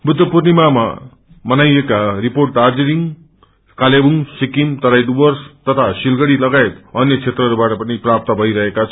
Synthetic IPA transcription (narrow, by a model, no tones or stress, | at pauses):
bʱut̪ːʌpurnimama̰ | mʌnajekariporʈ̚d̪ard͡ziɾiŋ | kalebuŋsikimt̪ʌɾajɖubʌrst̪ʌt̪ʰasilɡʌɽilʌɡaet̪ʌnjʌt͡sʰet̪rʌɾubaʈʌpʌniprap̚t̪ʌbʱʌiɾʌɦekat͡sʰʌ